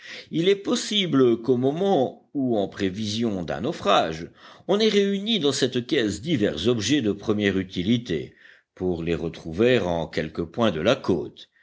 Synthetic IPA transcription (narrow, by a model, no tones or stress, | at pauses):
ilɛpɔsibləkomɔmɑ̃ | uɑ̃pχevizjɔ̃d̪ɛ̰̃nɔfχaʒɔ̃nɛʁeynid̪ɑ̃sɛt̪kʲɛsd̪ivɛʁzɔbʒɛd̪əpχəmjɛʁyt̪ilit̪ḛ | puʁleʁət̪χuveʁɑ̃kʲɛlkəpwɛ̃d̪əlako̰ːt̪